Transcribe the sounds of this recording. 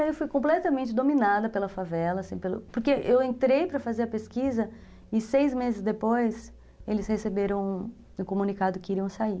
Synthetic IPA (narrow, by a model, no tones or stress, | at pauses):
ewfujkõplɛt̪ɐmẽnt͡ʃɪd̪ominad̪ɐpelɐfavɛlɐsĩpelʊ̰poɾkeʔewẽnt̪ɾejpɾɐfazeɾɐpeskizɐ | ɪsejzmezɪzd̪epojs | elɪshesebeɾɐ̃w̃ | ũkomũnikad̪ʊkɪiɾiɐ̃w̃sai